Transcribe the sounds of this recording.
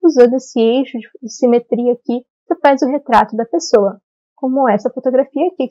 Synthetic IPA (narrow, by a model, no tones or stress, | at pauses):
uzɐ̃d̪ʊesɪejʃʊd͡ʒɪd͡ʒɪsimet̪ɾiɐki | kɪfajzʊɦet̪ɾat̪ʊd̪ɐpesoɐ | kõmʊɛsɐfot̪oɡɾafiɐkɪ